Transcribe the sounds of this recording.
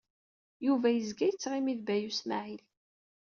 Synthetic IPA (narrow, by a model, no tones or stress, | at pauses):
juvæjəzɡæjət͡sːʁimiðbæjusma̰ʕil